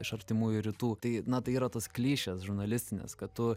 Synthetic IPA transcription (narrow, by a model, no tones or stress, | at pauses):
ɪʃɐɾʲt̪ʲɪmuːjʊɾʲit̪uːt̪ɐɪnɐt̪ɐɪiːɾɐt̪oːsklʲiːʃʲɛsʒʊɾnɐlʲɪsʲt̪ʲɪnʲḛskɐt̪tʊ